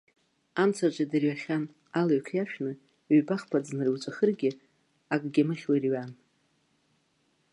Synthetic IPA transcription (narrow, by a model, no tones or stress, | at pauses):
amt͡sʰad͡ʒʷʼadɨrɥaχʲan | alaɥkʷʰjaʃᶣnɨ | ɥbaχpʰad͡znɨriwt͡ʃʷʼaχərɡʲɪ | akʼɡʲamɨχʲwarɥan